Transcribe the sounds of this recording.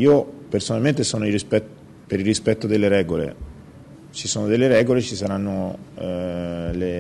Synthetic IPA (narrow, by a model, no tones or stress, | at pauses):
iːopersonalment̪esoːnoirispɛt̪ | peɾirːispɛt̪ːod̪elːeɾɛːɡolḛ | t͡ʃisoːnod̪elːeɾɛːɡolet͡ʃisaɾanːo | le